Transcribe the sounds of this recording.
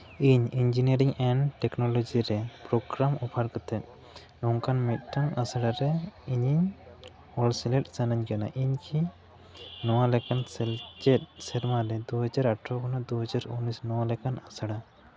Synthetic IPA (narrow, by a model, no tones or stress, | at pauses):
iɲiɲd͡ʒiniəɾiŋɛɳɖʈɛknɔlɔd͡ʒiɾɛpɾɔɡɾamɔpʰaɾkət̪ʰɛt̪̚ˀ | nɔŋkanmit̪̚ˀʈʰaŋasaɽaɾɛiɲiɲ | ɔlsɛlɛʈ̚sanaɲkana̰ʔiɲkʰi | nɔwalɛkansɛld͡ʒɛt̪̚sɛɾmaɾɛd̪uɦɔd͡ʒaɾaʈʰɾɔkʰɔnɔd̪uɦɔd͡ʒaɾunisnɔwalɛkanasaɽa